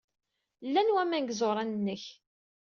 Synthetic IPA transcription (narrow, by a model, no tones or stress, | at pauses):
lːænwæmæŋɡzoɾˤɑnənːəç